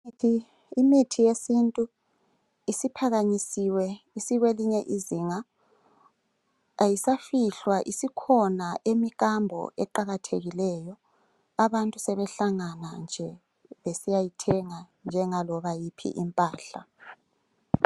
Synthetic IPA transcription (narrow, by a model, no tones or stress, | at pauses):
i | imitʰijesintʼu | isipʰaɣaɲisiwɛ | isiɣweliɲɛʔiziŋa | jisafiɬwaʔisikʰɔnaʔemikʼambʱɔ̰ɛǃaɣatʰeɣilɛːjɔ | aβantʼusɛβɛɬaŋanand͡ʒʱɛ | βesijajitʰɛŋa | nd͡ʒʱɛŋalɔβajipʰḭʔimpʼaːɬa̰